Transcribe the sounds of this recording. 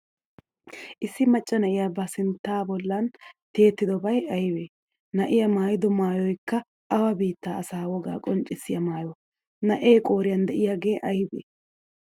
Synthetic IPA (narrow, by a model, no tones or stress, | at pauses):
ʔɪsːɪmɐt͡ʃʼːɐnɐʔɪjabɐsɪnt̪ːaːbɔlːɐnt̪e̞ːt̪ːɪd̪ɔbɐjɐjbeː | nɐʔɪjɐmaːjɪd̪ɔmaːjɔjkːɐ | ɐwɐbiːt̪ːaːɐsaːwɔɡa̰ːkʼɔnt͡ʃʼɪsːɪjɐmaːjɔ | nɐʔe̞ːkʼo̞ːɾɪjɐnd̪ɛʔɪjaɡe̞ːʔɐjbḛː